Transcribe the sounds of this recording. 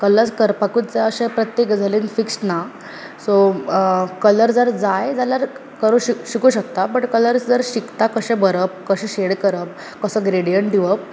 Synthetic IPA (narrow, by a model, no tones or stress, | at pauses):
kəlːət͡skəɾpakut̪̚t͡saəɕẽpɾət̪jekd͡zʱaleːnfiksna | so | kələɾd͡zəɾd͡zajd͡zalaɾ | kəɾuɕiɕikuɕək̚t̪apəʈkələɾsd͡zəɾɕikt̪akəɕɛ̃bəɾəp̚kəɕɛ̃ɕeɽkəɾəp̚ | kəsəɡɾeɽijəɳʈɖ̪iʋəp̚